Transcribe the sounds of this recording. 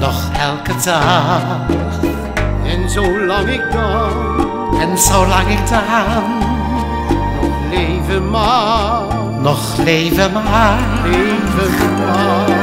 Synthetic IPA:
nɔχɛlˠkʰədʰa | ɛnsoʊlɔŋəɡɔ | ənsowlaɡɪdan | ɔ | leɪvəma | nɔχlejvəma | evəv | a

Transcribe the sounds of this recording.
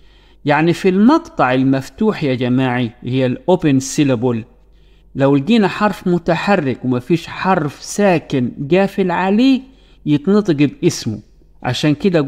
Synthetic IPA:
jaʕnifilmɑqt̪ˤɑʕɪlmaft̪uːħjad͡ʒamaːʕihɪjːalʔoːpɪnsɪlabul | lawlɡiːnaħɑɾˤfmʊt̪aħarːɪkwmafiːʃħɑɾˤfsaːkɪnɡaːfɪlʕaleː | jɪt̪nɨt̪ˤɡɪbʔɪsmʊ̰ | ʕa̰ʃaːnkɪd̪a

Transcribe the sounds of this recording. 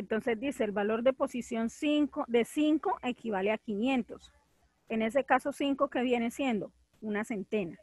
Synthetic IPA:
ent̪o̞nse̞zd̪ise̞ːlbalo̞ɾd̪e̞po̞sisjo̞nsiŋkod̪e̞siŋko̞ʔe̞kʰiβaleakinjẽ̞nt̪o̞s | e̞ne̞s̬e̞kaso̞siŋko̞ke̞βje̞nesje̞nd̪o̞ | unase̞nt̪e̞na

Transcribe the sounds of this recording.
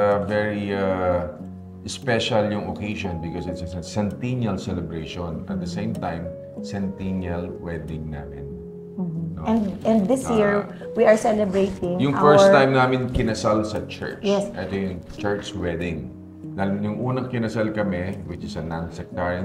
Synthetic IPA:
ɐvɛɹia | ʔspɛʃɐljʊŋokejʃɔnbɪkosɪt̪sɐsɐsɛnt̪injɐlsɛlɛbɹeʃonɐ̰t̪̚d̪ɐsẽjmt̪ajm | sɛnt̪injɐlwɛd̪ɪŋnaːmɪn̩ː | oɛ̃nɛ̃nðɪsjiɹ | wiɐɹsɛlɛbɹejt̪ɪ̃ŋjʊŋffɛɹst̪ãjmnaːmɪnkɪnɐsalsɐt͡ʃɛ̰ɹt͡ʃɛsʔɛt̪ojʊŋt͡ʃɛɹt͡ʃwɛd̪ɪ̃ŋ | d̪ɐljʊŋʔuːnɐŋkɪnɐsalkɐmɛwɪt͡ʃɪsɐnansɐk̚t̪aɹɐ

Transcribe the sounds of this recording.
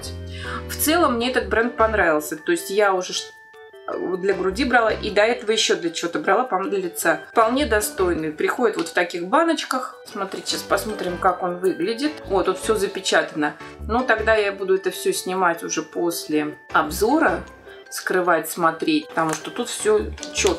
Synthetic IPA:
tʲft̪sɛlˠəmːnʲe̞ɛt̪ət̪̚bɾɛnd̪̚pɐnɾavʲɪlˠsʲət̪o̞ɪsʲtʲjaʊʐɛʂ | d̪lʲəɡɾʊdʲibɾalˠaʔid̪ɐɛt̪əvəjɪɕːo̞d̪lʲət͡ɕɪvo̞t̪əbɾɐlˠapɐmd̪ʲəlʲɪt̪sapɐlˠnʲe̞d̪ɐst̪o̞jnɨjpɾʲɪxo̞dʲɪt̪vo̞t̪ft̪ɐkʲixbanət͡ɕkəx | smɐt̪ɾʲitʲɪ̥ɕaspɐsmo̞t̪ɾʲɪmkako̞nvɨɡlʲɪdʲɪt̪ot̪ːut̪fsʲozəpʲɪt͡ɕat̪ənənot̪ɐɡd̪ajabud̪ʊɛt̪əfsʲɵsʲnʲɪmatʲʊʐɛpo̞sʲlʲɪɐbzo̞ɾə | skɾɨvatʲsmɐt̪ɾʲet̚ʲpə̥t̪ɐmuʂt̪ot̪ut̪fsʲɵt͡ɕo̞t̪

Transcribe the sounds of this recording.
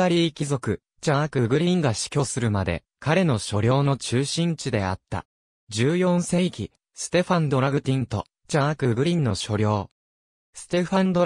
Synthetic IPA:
aɾʲiːkʲizo̞kɯ̟ | t͡ɕakɯ̟ɡɯ̟ɾʲĩŋɡaɕi̥kʲo̞ːsɨɾɯ̟mad̪e̞̰ | kaɾe̞no̞ɕo̞ɾʲo̞ːno̞t͡ɕɨːɕĩɲ̟t͡ɕid̪e̞a̰t̪ːa̰ | d͡ʑɨːjõ̞ɰ̃sẽ̞ikʲi | sɨ̥t̪e̞ɸãnd̪o̞ɾaɡɯ̟t̪ʲĩnt̪o̞̰ | t͡ɕakɯ̟ɡɯ̟ɾʲĩnːo̞ɕo̞ɾʲo̞ː | sɨ̥t̪e̞ɸãnd̪o

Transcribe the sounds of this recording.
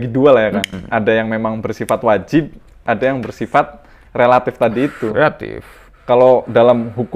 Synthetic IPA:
ɡidualajakanʔadajaŋmemaŋbərsifat̪wad͡ʒɪb̚ | ʔadajaŋbərsifat̪̚ | relat̪ɪft̪adiːt̪uat̪ɪ̰f | kalodalamɦuk

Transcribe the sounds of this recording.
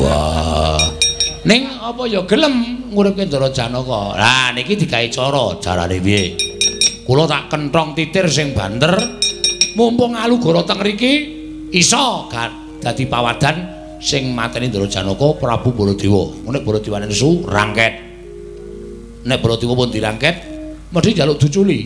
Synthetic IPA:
wɔ̰ | nɪŋ | ɔpɔjɔɡ̥ə̤ləmŋuɾɪp̚kend̪oɾɔd̥ʒ̥a̤nɔkɔlanikid̪̥i̤kait͡ʃɔɾɔd̥ʒ̥aɾa̰newie | kulɔt̪aʔkənʈɔŋt̪it̪ɪrs̬ɪŋb̥a̤nt̪ər | mumpʊŋaluɡ̥ɔ̤ɾɔt̪əŋɾiki | isɔɡ̥a | d̪̥a̤d̪̥i̤pawad̪̥a̤n | sɪŋmat̪ɛnind̪ɔɾɔd̥ʒ̥a̤nɔkɔpɾab̥ṳb̥ɔlɔd̪̥ewɔ̰munɛʔb̥olɔd̪̥i̤wanɛnsura̰ŋkɛt̪̚ | nɛʔb̥olɔd̪̥i̤wɔpʊnd̪̥iɾaŋkɛt̪̚ | mədid͡ʒalʊʔd̪̥ut͡ʃuli

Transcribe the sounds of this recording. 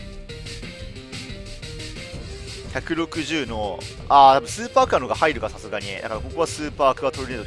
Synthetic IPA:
çakɯ̟ɾo̞kɯ̟ʑɨːno̞ | at̪abɯ̟̃sɨːpaːkɯano̞ɡahaiɾɯ̟kasasɨɡaɲ̟inḛd̪a̰kaɾako̞ko̞βasɨːpaːkɯ̟βat̪oɾʲined̪

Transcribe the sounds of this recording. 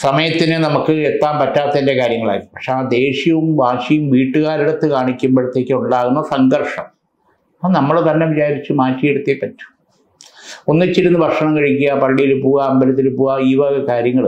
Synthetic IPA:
sɐmɐjɐt̪ːinɨnɐmukːɨet̪ːaːmpɐtːaːt̪ːɐinde̞kaːɾjɐŋːɐɭa̰ːkipɐkʂeaːd̪e̞ːɕjɐʋumbaːʂijumʋiːʈːɨɣaːɾiɽɐt̪ːɨkaːɳikʲːumbɐɻɐt̪ːe̞ːkʲːɨuɳɖaːɣunːɐsɐŋɡɐrʂɐm | ɐnɐmːɐɭt̪ɐnːe̞ʋit͡ɕaːɾit͡ɕːɨmaːtːijeɽut̪ːiepːɐtːu̥ | o̞nːit͡ɕːiɾunːubʱɐrʂɐɳɐmkɐɻikʲːujɐpɐɭːijilpuːɣɐːmbɐlɐt̪ːilpuːɣɐiːʋɐɣɐkaːɾjɐŋːɐɭ

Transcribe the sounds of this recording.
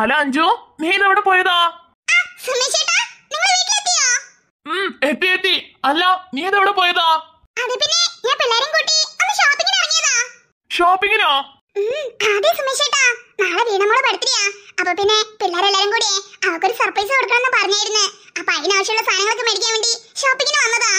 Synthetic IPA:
ɐlːaɐɲd͡ʑuniːneʋiɽepoːjɐðaː | aːsumːeːʂeːʈːaːniŋːɐɭniːkʲːilet̪ːijoː | met̪ːijet̪ːiɐlːaniːɐðeʋiɽepoːjɐðaː | ɐðɨpinːe̞ɲaːnpilːaːɾɐmkuːʈːiɐnːɨɕoːpːiŋɡɐnɐrɐɲːiːɐða | ɕoːpːiŋʲɡɐnoː | aːðesumːeːɕeːʈːaːnaːɭeʋiːɳɐmoːɽepɐɽut̪ːiɾijaːɐpːoːpinːe̞pilːaːɾɐelːaːɾɐmkuːɽieɐʋɐrkːo̞ɾusɐrprɐjs̬ɨkoɽukːɳɐenːɨpɐrɐɲːaːjiɾunːɨ | ɐpːoɐɣinaːʋɐɕjɐmuɭːɐst̪ʰaːnɐŋːɐɭokːɨmeɽik̬ʲːaːʋeːɳɖiɕoːpːiŋʲːɡːɐnɐmʋɐnːɐða

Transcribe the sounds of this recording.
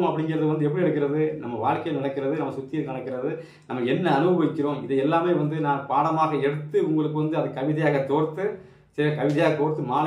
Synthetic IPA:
mɐpːɐɽɪŋɡɪɾɐðɯʋɐnd̪ɯɛpːɐɽiɛɽɯkːɪɾɐðɯnɐmːɐʋaːɻkɐjɐnɪɳɐkːɪɾɐðɯnɐmːɐsʊt̪ːɪjɐnɪnɐkːɪɾɐðɯ | nɐmːɐɛnːɐɐnɯʋɐɣɐʋɪkːɪɾõːɪðɛɛlːaːmeːʋɐnd̪ɯnãːnpaːɽɐmaːɣɐɛɽɯt̪ːɯʊŋɡɐɭɯkːɯʋɐnd̪ɯɐðɯkːɐʋɪðɐjaːɣɐt̪oːɾt̪ːɯ | sɐɾɪɐkɐʋɪðɐjaːɣɐt̪oːɾt̪ːɯmaːl

